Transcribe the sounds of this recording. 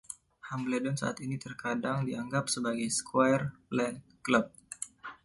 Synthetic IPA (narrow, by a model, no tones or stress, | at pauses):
hamlɛdɔnsa̰ʔat̪init̪ərkadaŋdiaŋɡap̚səbaɡajskwajrlɛn | kləp̚